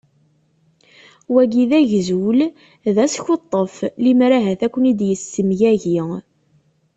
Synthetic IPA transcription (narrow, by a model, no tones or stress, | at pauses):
wæɡiðæʝzul | ðæsçot̪ˤːəflimɾæɦæθækʷːənid̪jəsːəmjæʝi